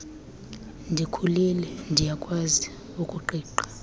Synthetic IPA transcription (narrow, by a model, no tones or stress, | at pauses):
ndʱikʰulɛlɛndʱijakʼwazi | ukʼuǃiːǃḁ